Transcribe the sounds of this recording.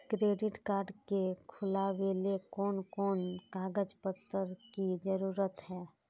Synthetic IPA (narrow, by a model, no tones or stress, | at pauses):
kɾeːɖɪʈkaːɾɖkekʰʊlaʋeːlekɔːnkɔːnkaːɡəd͡ʒpət̪ːəɾkid͡ʒəɾuːɾət̪ɦɛː